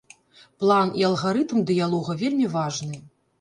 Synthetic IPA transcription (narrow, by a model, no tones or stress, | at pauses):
plˠaniɐlˠɣaɾɨt̪md̪ɨjalˠɔɣɐvʲelʲmʲivaʐnɨ